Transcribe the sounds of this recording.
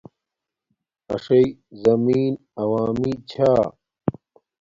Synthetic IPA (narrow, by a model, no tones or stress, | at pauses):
ɐ̰ʂɐjzɐmiːn | ɐwaːmit͡ɕʰaː